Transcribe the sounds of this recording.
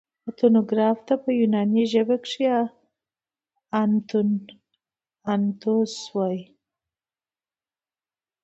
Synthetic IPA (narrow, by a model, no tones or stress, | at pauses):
at̪onoɡɾɑft̪apəjunɑniʒəbakʂia | ant̪un | ant̪oswaj